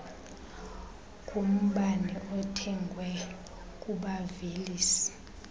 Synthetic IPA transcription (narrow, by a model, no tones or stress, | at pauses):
kʼum̩ɓanɛʔɔtʰɛŋɡʱwɛ | kʼuɓaveliːsi̥